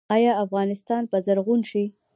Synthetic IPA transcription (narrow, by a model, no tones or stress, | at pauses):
ɑjɑafɣɑnɪst̪ɑnpəzaɾɣunʃi